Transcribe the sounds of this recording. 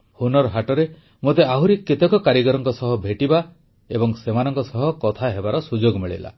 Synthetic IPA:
hunɔɾɦaʈɔɾe | mot̪eaɦuɾikːit̪ɔkɔkaɾjiɡɔɾɔŋkɔsɔɦɔbʱeʈiba | ebɔŋsemanɔŋkɔsɔɦɔkɔt̪ʰaɦebaɾɔsud͡ʒoɡmiɭḭla̰

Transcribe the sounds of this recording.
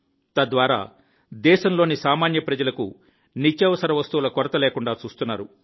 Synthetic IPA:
t̪ɐd̪ʋaːɾa̰ː | d̪ɛːʃɐmlo̞ːnisaːmaːnjɐpɾɐd͡ʒɐlɐkṵ | nit͡ʃːjɐʋɐsɐɾɐʋɐst̪uwulɐkɔɾɐt̪ɐleːkuɳɖaːt͡ʃuːst̪unːaːɾu

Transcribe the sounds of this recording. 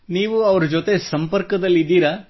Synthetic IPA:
niːʋuɐʋɐɾɐd͡ʒot̪e̞sɐmpɐɾkɐd̪ɐlːid̪ːiːɾɐ

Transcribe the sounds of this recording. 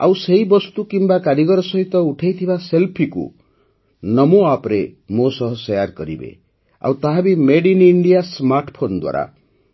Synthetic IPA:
a̰wseɦibɔst̪ukimbakaɾiɡɔɾɔsɔɦit̪ɔuʈʰajt̪ʰibaselpʰikṵ | nɔmuapɾemosɔɦɔsɔjaɾkɔɾḭbḛ | a̰wt̪aɦabimeɽiniɳɖijasmaɾʈʰɔpʰond̪wa̰ɾa̰

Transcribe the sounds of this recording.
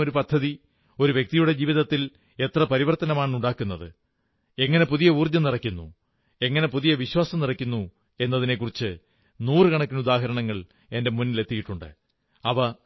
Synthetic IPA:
oɾupɐd̪ʱːɐði | o̞ɾuʋjek̚t̪ijuɽe̞d͡ʑiːʋiðɐt̪ːil | e̞t̪rɐpɐɾiʋɐrt̪ɐnɐmaːɳuɳɖaːkːunːɐðɨ̰ | e̞ŋːɐne̞puðijɐuːrd͡ʑɐmnirɐkʲːunːṵ | e̞ŋːɐne̞puðijɐʋiɕwaːsɐmnirɐkʲːunːu | e̞nːɐðine̞kːurit͡ɕːɨ | nuːrɨkɐɳɐkʲːinud̪aːɦɐɾɐɳɐŋːɐɭ | e̞nde̞munːile̞t̪ːijiʈːuɳɖɨ̰ | ɐʋɐ

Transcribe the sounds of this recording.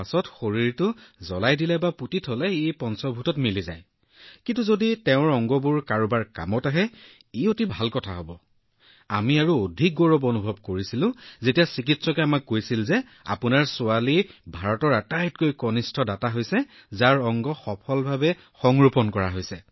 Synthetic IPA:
asɔtxoɹiɹtʊzɔlajdilɛbaputitʰɦolɛepɔnsɔbʱutɔtmiliza̰j | kintuzoditɛʊ̃ɹɔŋɡɔbuɹkaɹubaɹka̰mɔtaɦɛ | iotibʱalkɔtʰa̰ɦɔbɔ | a̰miaɹuodʱik̚ɡoɹɔbonubʱɔb̚koɹisilʊ̃zetijasik̬itsɔkɛamakːojsilzɛ | a̰pʊnaɹsʊalibʱaɹɔtɔɹatajt̚kojkɔnistʰɔdataɦojsɛ | zaɹɔŋɡɔxɔpʰɔlbʱabɛ | xɔŋɹupɔnkɔɹaɦojsɛ

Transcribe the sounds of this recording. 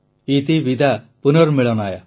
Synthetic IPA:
it̪ibid̪ʱa | punɔɾmiɭɔnaja

